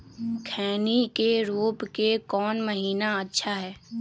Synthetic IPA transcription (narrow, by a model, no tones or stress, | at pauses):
kʰɛːnikeɾoːpkekɔːnmɐɦiːnaɐtːʃʰaɦɛː